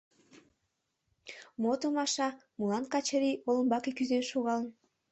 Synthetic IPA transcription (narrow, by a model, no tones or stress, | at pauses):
mot̪omɑʃɑmulˠɑnkɑt͡ɕəɾʲiolˠɤ̆nbɑkekʲyzenʃuɣɑlˠɤn